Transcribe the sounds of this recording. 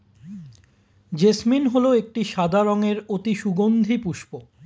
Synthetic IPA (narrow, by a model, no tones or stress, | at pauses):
d͡ʑesminɦoloek̚ʈiʃad̪ʱaɾoŋeɾot̪iʃuɡond̪ʱipuʃpo